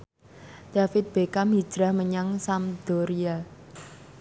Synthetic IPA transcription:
d̪̥a̤fɪt̪̚b̥ekami̥d͡ʒ̥ɾahməɲaŋsamd̪̥ɔɾia

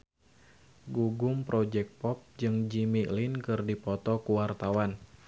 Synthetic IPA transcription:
ɡuɡumpɾɔd͡ʒɛk̚pɔp̚d͡ʒɨŋd͡ʒimiʔlinkɨrdipɔt̪ɔkuwart̪awan

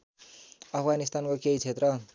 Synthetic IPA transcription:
ʌpʰɡanist̪ankokeit͡sʰet̪rʌ

